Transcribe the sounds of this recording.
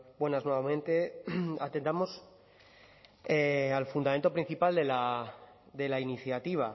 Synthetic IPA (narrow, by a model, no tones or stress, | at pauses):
bwe̞naznwe̞βamẽ̞nt̪e̞at̪e̞nt̪amo̞s | ealfund̪ame̞nt̪o̞pɾin̟θipald̪e̞la | d̪e̞lainiθjat̪iβ̞a